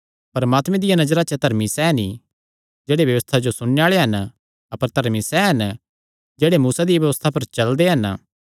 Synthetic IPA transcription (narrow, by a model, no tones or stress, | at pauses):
pɐɾɐmaːt̪mẽd̪ɪjanɐd͡ʒɾat͡ʃət̪ɐɾmisɛɦni | d͡ʒeːɽebjɐʋəst̪ʰad͡ʒosʊɽ̃eaːɭeɦɐn | ɐpəɾt̪ɐɾmisɛɦɐn | d͡ʒeːɽemuːsad̪ɪjaʋjɐʋəst̪ʰapɐɾt͡ʃɐld̪eɦɐn